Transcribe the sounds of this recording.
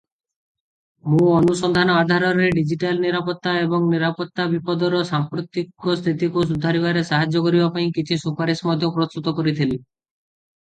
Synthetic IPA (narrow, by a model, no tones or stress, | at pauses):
mũɔnusɔnd̪ʱanɔad̪ʱaɾɔɾeɖid͡ʒiʈalniɾapɔt̪ːaebɔŋniɾapɔt̪ːabipɔd̪ɔɾɔsampɾot̪ikɔst̪ʰit̪ikus̬ud̪ʱːaɾibaɾesaɦad͡ʒːɔkɔɾibapaĩkit͡ʃʰisupaɾismɔd̪ʱjopɾost̪ut̪ɔkɔɾit̪ʰili